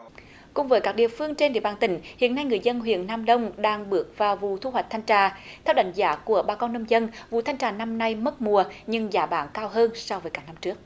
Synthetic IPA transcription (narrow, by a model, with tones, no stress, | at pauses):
kʊ˨˩ŋ͡mvəː˨˦jkaː˦˥k̚ɗḭ˨əfɨ˧əŋt͡ɕe˧nɗḭ˧˩əɓaː˨˩nt̪ï˨˩˦ŋ̟hḭ˧˨ənːa˧jŋɨ˨˩əjzə˧nɦwḭ˧˨ənːaː˧mɗə˧wŋ͡mɗaː˧ŋɓɨ˦˥ək̚vaː˨˩wvu˨t̪ʰu˧ɦwa˨˩k̟̚t̪ʰjŋt͡ɕaː˨˩t̪ʰɛ˧wɗa˧˦jŋ̟zaː˨˦ku˧˩əɓaː˧˩kɔ˧nːə˧mzə˧nvṵ˨t̪ʰa˧jŋ̟t͡ɕaː˨˩na˧mna˧jmə˦˥t̚mu˨˩əɲɨ˧ŋzaː˨˦ɓaː˨˦nkaː˧wɦəː˧nsɔ˧wvəː˨˦jkaː˦˥k̚na˧mt͡ɕɨ˦˥ək̚